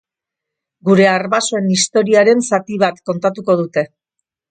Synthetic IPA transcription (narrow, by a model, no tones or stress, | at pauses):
ɡuɾe̞aɾβasoe̞nist̪o̞ɾiaɾe̞nsat̪iβat̪ko̞nt̪at̪uko̞ð̞ut̪e̞